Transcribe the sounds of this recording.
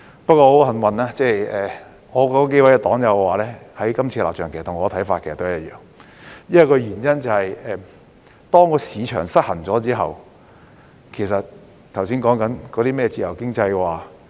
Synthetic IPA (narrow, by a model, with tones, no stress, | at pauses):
pɐ˥t̚kːɔː˧ho˨˥wɦɐ˨˩nwɐ˨naː˧˥t͡sɛ˥˧ɛː˨˩ | ŋɔː˨˧kɔː˧˥kɔ˧ke˥wɐ˨˥jɐ˧t̪ɔː˨˥ŋjɐ˨˧wkwaː˨lɛː˥hɐ˨˥jkɐ˥mt͡sʰiː˧la̰ː˨p̚t͡ʃœː˨ŋke˨˩stʰʊ˨˩ŋɔ˨˧t̪ʰɐ˨˥jfaː˧t̚kʰe˨˩sɐ˨t̪o˥˨jɐ˥t̚jœ̰ː˨ŋ | jɐ˥kɔː˧ɥyː˨˩njɐ˥nt͡sɐ˨whɐ˨jɛː˨˩ | t̪ɔː˥ŋkɔː˨˧siː˨˧t͡ʃʰœ̰ː˨˩ŋsɐ˥t̚hɐ˨˩nt͡sɔː˨˥t͡siː˥ɦɐ˨w | kʰe˨˩js̬ɐ˨t̚ | t̪ʰɐ˨˩wsiː˥nkɔː˨˥ŋkɐ˨˥nkɔː˨˧t̪iː˥mɛː˥˩˧t͡siː˧˩jɐ˨˩wkɪ˥ŋt͡sɐ˧jwaː˨˩